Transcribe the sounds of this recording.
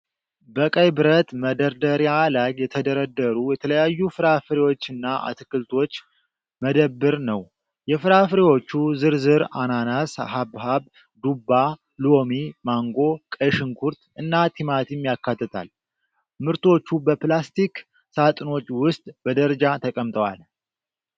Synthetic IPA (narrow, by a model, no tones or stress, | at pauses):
bəkʼəjbɨɾət̪məd̪əɾd̪əɾjalaɡjɛt̪ʰəd̪əɾəd̪ːəɾujɛt̪ʰələjajːufɨɾafɨɾewo̞t͡ʃːɨnːaʔa̰t̪ʰɨkɨlt̪ʰo̞t͡ʃː | məd̪əbːɨɾnəw | jɛfɨɾafɨɾewo̞t͡ʃːuzɨɾzɨɾa̰nanasa̰ɦabɦaβ | d̪ubːa | lomimaŋɡo̞kʼəʃɨŋkʰuɾt̪ɨnːat̪ʰimat̪ʰimjakːat̪ːɨt̪ʰa̰l | mɨɾt̪ʰo̞t͡ʃːubəplast̪ʰik | sat̪ʼɨno̞t͡ʃːwʊst̪ʼbəd̪əɾəd͡ʒat̪ʰəkʼəmt̪ʼəwa̰l